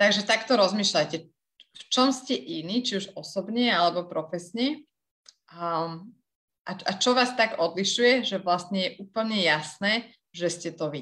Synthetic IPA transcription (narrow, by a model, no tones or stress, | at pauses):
t̪aɡʒɛt̪akt̪ɔɾɔzmiːʃlajcɛ | ft͡ʃɔmscɛʔiniːt͡ʃiuʒɔsɔbɲɛalɛbɔpɾɔfɛsɲɛ | ʔaat͡ʃɔʋaːst̪aɡɔd̪liʃujɛʒɛʋlast̪ɲɛjɛʔuːpl̩ɲɛjasnɛː | ʒɛscɛt̪ɔʋi